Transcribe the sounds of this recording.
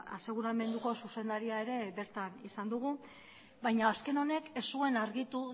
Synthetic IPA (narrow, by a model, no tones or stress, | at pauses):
a̰se̞ɣ̞uɾame̞nd̪uko̞suse̞nd̪aɾiae̞ɾe̞βe̞ɾt̪anisand̪uɣ̞u | bajɲaːske̞no̞ne̞ke̞sue̞naɾɣit̪u